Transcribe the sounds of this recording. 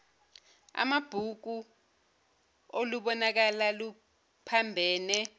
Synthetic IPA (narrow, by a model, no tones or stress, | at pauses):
a̰mab̥ʱuk̬u | oluɓɔnak̬alalu | pʰambʱɛːnɛ